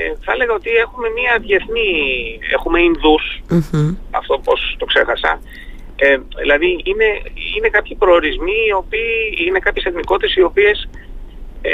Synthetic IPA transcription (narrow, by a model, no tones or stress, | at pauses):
eθɐle̞ɣɐo̞t̪ie̞xume̞miɐðje̞θnie̞̰xume̞inðus̩ | ɐ̰ft̪o̞po̞st̪o̞kse̞̰xɐsɐ̰ | eðilɐðiine̞ḭne̞kɐpçipɾo̞oɾizmiːo̞piːine̞kɐpçeseθmiko̞t̪esio̞pie̞s